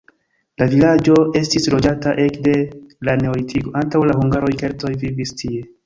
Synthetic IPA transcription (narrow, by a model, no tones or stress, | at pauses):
lavilad͡ʒo̞e̞stislo̞d͡ʒataʔe̞kde̞lane̞olitʰiɡo̞antawlaɦuŋɡaɾo̞jke̞ɾto̞jvivistʰie̞